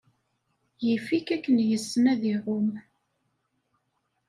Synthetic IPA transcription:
jəfikækːənjəsːənæðiʁom

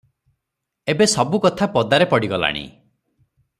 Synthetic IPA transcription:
ebesɔbukɔt̪ʰapɔd̪aɾepɔɽiɡɔla̰ɽ̃ḭ

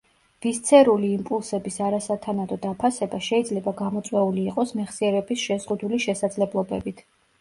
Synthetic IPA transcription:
vist̪sʰɛɾuliːmpʼulˠsɛbisaɾasat̪ʰanad̪ɔd̪apʰasɛbaʃɛid̪zlɛbaɡamɔt̪sʼwɛuliːqʼɔsmɛχsiɛɾɛbisʃɛzʁud̪uliʃɛsad̪zlɛblˠɔbɛ̰bit̪ʰ

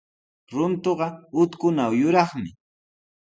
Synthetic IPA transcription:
ɾʊnt̪oɢɑʊt̪kʊnawjʊɾɑχmɪ

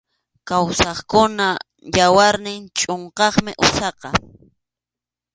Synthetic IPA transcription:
kawsɑχkʊna | jawaɾnɪŋt͡ʃʼoɴqɑχmɪʔʊsɑqɑ

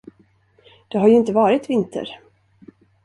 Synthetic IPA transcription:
d̪̥ɛɦaɾjɵɪnt̪əvɑːɾɪt̪vɪnt̪ʰə̰ɾ

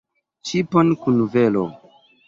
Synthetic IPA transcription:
t͡ʃiponkunvelo̰

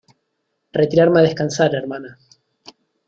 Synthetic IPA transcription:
ret̪iɾaɾmaðehkansaɾeɾmana

